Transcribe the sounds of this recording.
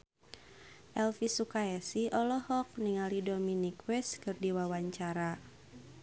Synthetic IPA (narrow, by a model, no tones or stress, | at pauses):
ʔɛlfisukaɛsiʔɔlɔhɔk̚niŋalidɔminikwɛskɨrdiwawaɲt͡ʃaɾa